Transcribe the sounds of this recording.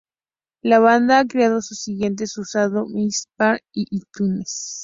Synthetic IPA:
laβand̪aakɾeað̞osusiɣje̞nt̪̬esusaðomispaɾiʔit̪unes

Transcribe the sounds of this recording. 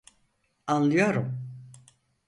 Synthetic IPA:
anlˠɯjoɾum

